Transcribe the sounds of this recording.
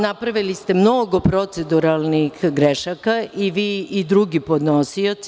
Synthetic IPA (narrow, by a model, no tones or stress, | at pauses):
napɾaʋilist̪e̞mno̞ɡo̞pɾot̪sed̪uɾalˠnixɡɾeʃakaʔiʋiːid̪ɾuɡipod̪nosio̞t̪s